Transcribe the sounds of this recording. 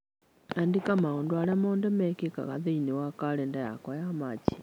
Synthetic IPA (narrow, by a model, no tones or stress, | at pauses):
andikamaɣondwalamoːndɛmɛkeka̰ɣa̰ðeinewakalendaja̰kajamat͡ʃi̥